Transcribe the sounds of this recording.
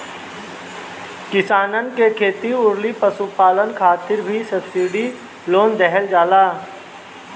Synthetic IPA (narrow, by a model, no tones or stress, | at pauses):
kɪsaːnənkekʰeːt̪iʊɾlipəsupaːlənkʰaːt̪ɪɾbʱisəbsiɖi | loːnd̪ɛɦɛld͡ʒaːlaː